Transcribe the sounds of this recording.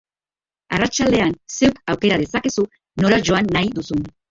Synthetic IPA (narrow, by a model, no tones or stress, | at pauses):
a̰rat͡ʃald̪e̞anse̞wkawke̞ɾaðe̞sake̞su | no̞ɾaʝo̞anːajðusun